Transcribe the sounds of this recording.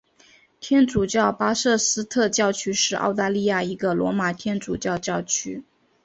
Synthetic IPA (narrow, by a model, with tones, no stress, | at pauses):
t̪ʰjɛ˥nʈ͡ʂu˨˩t͡ɕjɑ˥˩ʊpa˥ʂɤ˥˩sɹ̩˥t̪ʰɤ˥˧t͡ɕjɑ˥˧ʊt͡ɕʰy˥ʂɻ̩˥˧ʔɑ̰˥˧ʊt̪a˥˧li˥˧ja˥˩i˧˥ɡə˧lwɔ̰˧˥ma˨˩t̪ʰjɛ˥nʈ͡ʂu˨˩t͡ɕjɑ˥˧ʊt͡ɕjɑ˥˩ʊt͡ɕʰy˥